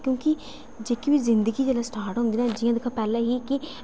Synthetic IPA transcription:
kjõːkɪ | d͡ʒeːkiʋiːzɪ̃nd̪əɡiːd͡ʒeːlaːsʈaːɾʈɦʊ̃nd̪iːnãːd͡ʒɪjãːd̪ɪkʰãːpɛːlẽːɦiːkɪ

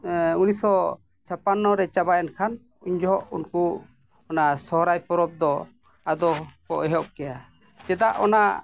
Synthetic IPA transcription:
unisɔ | t͡ʃʰapanːɔɾɛt͡ʃabajankʰan | uɲd͡ʒɔɦɔʔunku | ɔnasɔɦɾajpɔɾɔb̚d̪ɔ | ad̪ɔkɔʔɛɦɔp̚kɛja | d͡ʒɛd̪aʔɔna̰

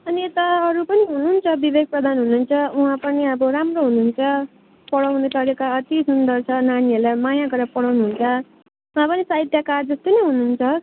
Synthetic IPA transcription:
ʌniet̪ʌʌɾupʌniɦunuːnt͡sʰʌbibeɡ̚prʌd̪ʱanɦununt͡sʰʌuɦãpʌniʌbʌɾamroɦunuːnt͡sʰʌ | pʌɽawnet̪ʌɾekaʌt̪isund̪ʌrt͡sʰʌnaniɦelamajãɡʌɾapʌɽawnuɦunt͡sʰʌ | uɦãpʌnisait̪jakard͡zʌst̪onʌɦununt͡sʰʌ

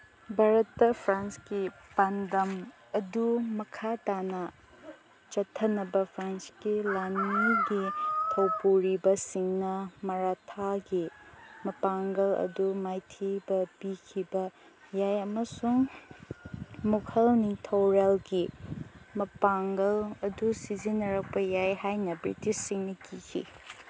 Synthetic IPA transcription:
bʱaɾɐtːɐpʰɾanskipandɐm | ɐdumɐkʰatanɐ | t͡ʃɐtʰːɐnɐbɐpʰɾanskilaniɡitʰɐwpuɾibɐsiŋnɐmɐɾatʰaɡimɐpaŋɡɐlɐ̰dumajtʰibɐpikʰibɐ | jajɐmɐsuŋ | mukʰɐlnitʰowɾelɡi | mɐpaŋɡɐlɐdusizinɐɾɐk̚pɐjajhajnɐbɾḭtisːiŋnɐkikʰḭ

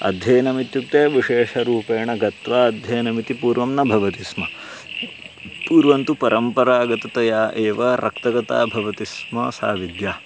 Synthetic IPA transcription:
ɐ̰d̪ʱjeːnɐmit̪juk̚t̪eːʋiʂeːʂɐɾuːpeːɳɐɡɐt̪ʋaːɐd̪ʱjeːnɐmit̪ipuːɾʋɐmnɐbʱɐʋɐt̪ismɐ | puːɾʋɐnt̪upɐɾɐmpɐɾaːɡɐt̪ɐt̪ɐjaːʔeːʋɐɾʔɐkt̪ɐɡɐt̪a̰ːbʱɐʋɐt̪ismɐsa̰ːʋid̪jaː

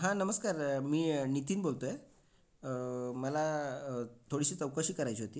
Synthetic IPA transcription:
ɦãnəməskaɾmiːnit̪iːnbolt̪oe | məla | t̪ʰoɽisiːt͡səwkaɕiːkəɾajt͡ɕiːɦot̪iː

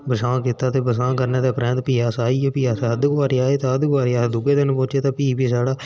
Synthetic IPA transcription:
bəsãːkiːt̪ːaːt̪eːbəsãːkəɾneːt̪aːpɾɛ̃ːnt̪piːaːsaːiːeːpiːaːsad̪ɡaːɾaːeːt̪aːəd̪ɡʋaːɾɪaːd̪ʊɡeːd̪ɪnpõːt͡ʃeːt̪ãːpiːpiːsaːɽaː

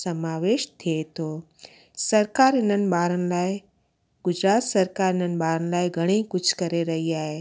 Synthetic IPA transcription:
sɐmaːʋeːʃt̪ʰiet̪ʰoː | sɐɾkaːɾɪnənɪ̆baːɾənɪ̆laːe | ɡʊd͡ʒɾaːt̪sɐɾkaːɾɪnənɪ̆baːɾənɪ̆laːeɡʱɐɽ̃ikʊt͡ʃʰkɐɾeɾɐɦiaːɦeː

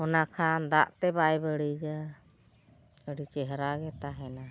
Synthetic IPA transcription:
ɔnakʰand̪aʔt̪ɛbajbəɽid͡ʒa | əɽit͡ʃɛɦɾaɡɛt̪aɦɛna

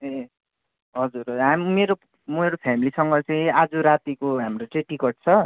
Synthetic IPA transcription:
e | ɦʌd͡zurɦamimeɾo | meɾopʰamilisʌŋɡʌt͡sʌj̃ad͡zoɾat̪ikoɦamrot͡sʌj̃ʈikʌʈ̚t͡sʰʌ

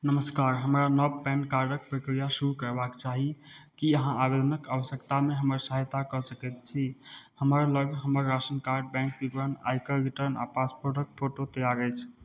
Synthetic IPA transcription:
nəməskaɾɦəmɾanəbpɛ̃nkaɾɖək̚pɾəkɾijasuɾukəɾbakt͡ʃaɦikiəɦãʔabed̪ʱənəkaʋəsjəkt̪ameɦəməɾsəɦjt̪akɔsəkɛt̪t͡ʃʰihəməɾləɡʱɦəməɾːasənkaɾɖ̚bɛ̃ŋk̚bibɾəna̰jkəɾiʈəɾna̰paspoɾʈəkpʰoʈot̪əjaɾəjt͡ʃʰ

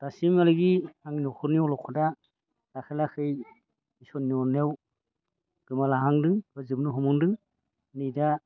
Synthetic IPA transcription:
d̥asimaliɡiaŋinɔkʰɔɾniɔlɔkʰɔda | ɾakʰɯlakʰɯj | isɔniɔnew | ɡ̥ɯmalaɦaŋdɯŋbɯzɯp̚nuɦɔmɯŋdɯŋ | nida

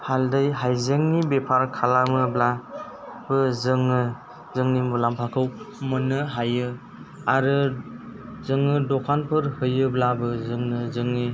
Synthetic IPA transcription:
haldɯjɦajzeŋnibepʰaɾkʰalamɯbla | bɯzɯŋɯ | zɯŋnimulampʰakʰɯwmɯnɯɦajɯ | aɾɯ | zɯŋɯdɔkʰanpʰɯɾhɯjɯblabɯzɯŋnɯzɯŋni

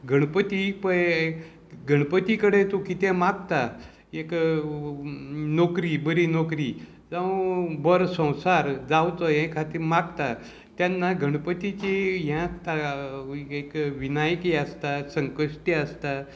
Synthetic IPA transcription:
ɡʱəɽ̃pət̪ipəj | ɡʱəɽ̃pət̪ikəɽet̪okit̪emaɡ̚t̪a | ek | nokɾibəɾinokɾi | d͡zãbəɾsə̃w̃saɾd͡zawt̪əjɛ̃kʰat̪iːɾmaɡt̪a | t̪janːaɡʱəɽ̃pət̪it͡ɕejãst̪a | ekʋinajkjeast̪asəŋkəʂʈiəst̪a

